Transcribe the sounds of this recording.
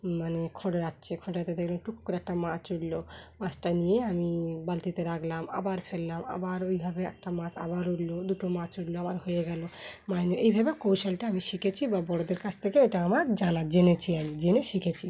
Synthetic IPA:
manekʰɔɖɾat̪ːt͡ʃʰekʰɔɖɾat̪ed̪ekʰlamʈukːkɔɾɛk̚ʈamãt͡ʃuɽlomãt͡ʃʈanijeamibalt̪it̪eɾaɡlama̰baɾpʰellama̰baɾojbʱabeɛ̰k̚ʈamãt͡ʃʰa̰baɾuɽlod̪uʈɔmãt͡ʃuɽloamaɾɦojeɡɛlomajnuʔejbʱabekowsalʈaamiʃikʰet͡ʃʰibabɔɽod̪eɾkat͡ʃʰt̪ʰekeeʈaamaɾd͡ʒanad͡ʒenet͡ʃʰiamid͡ʒeneʃikʰet͡ʃʰi

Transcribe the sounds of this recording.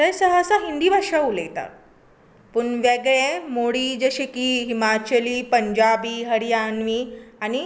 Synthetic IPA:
təjsəɦəːsaɦind̪iʋaʂauleɡt̪a̰ | puɳʋeɡɭemoɽiːd͡zəɕikiɦimat͡ɕəliːpəɲd͡ʑabiːɦəɽijanʋiːani

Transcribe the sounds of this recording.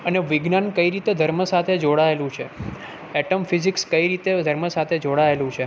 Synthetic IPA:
əneʋɪɡnankəiɾit̪ed̪ʱəɾməsat̪ʰed͡ʒoɽaelũt͡ʃʰe | ɛʈomfizikskəiɾit̪ed̪ʱəɾməsat̪ʰed͡ʒoɽaelũt͡ʃʰe

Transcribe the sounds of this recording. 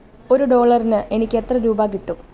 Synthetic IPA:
o̞ɾuɖo̞ːɭɐrinɨʔe̞nikʲːe̞t̪rɐɾuːbaːkiʈːum

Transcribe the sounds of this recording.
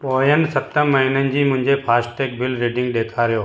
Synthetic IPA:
poːjənsət̪əməɦinənd͡ʑiːmʊ̃ɦɪ̃ɲd͡ʒepʰaːsʈeːkbɪlɾeːɖɪ̃ŋɡɗ̪eːkʰaɾɪjoː

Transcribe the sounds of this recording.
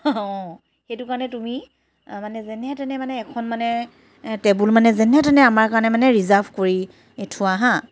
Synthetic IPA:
ɔ | xejtʊkaɹɔnɛtumi | manɛzɛnɛatanɛmanɛːkʰɔnmanɛ | tɛbulmanɛzɛnɛatanɛamaɹkaɹɔnɛmanɛɹizaɹbʱkoɹi | etʰʊwaɦã

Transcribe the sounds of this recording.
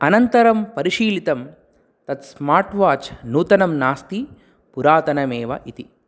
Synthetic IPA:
ɐnɐnt̪ɐɾɐmpɐɾiʃiːlit̪ɐm | t̪ɐt̪smaːɾʈʋaːt͡ʃnuːt̪ɐnɐmnaːst̪i | puɾaːt̪ɐnɐmeːʋɐ̰ʔit̪i

